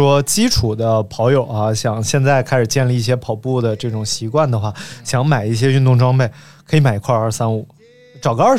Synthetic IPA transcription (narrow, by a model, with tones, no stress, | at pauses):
wɔ˥t͡ɕi˥ʈ͡ʂʰu˨˩d̪ə˦pʰɑ˧˥ʊjo˨˩ʊa˧ɕjɑ˨˩˦ŋɕjɛ˥˧nt͡sa˥˩ɪkʰa˥ɪʂɻ̩˨˩t͡ɕjɛ˥˧nli˧i˥˩ɕ̬jɛ˥pʰɑ˨˩ʊpu˥˩d̪ə˩ʈ͡ʂɤ˥˩ʈ͡ʂʊ˨˩ŋɕi˧˥kwa˥˩nd̪ə˩xwa˥˩ɕjɑ˧˥ŋma˨˩ɪi˥˩ɕ̬jɛ˥y˥˧nt̪ʊ˥˩ŋʈ͡ʂwɑ˥ŋme˥˩ɪ | kʰɤ˧˥i˧˥ma˨˩ɪ˧˥kʰwa˥˧ɐ˞˥˩sa˥nu˨˩˦ | ʈ͡ʂɑ˨˩ʊɡə˧˥ə˞˥˧˩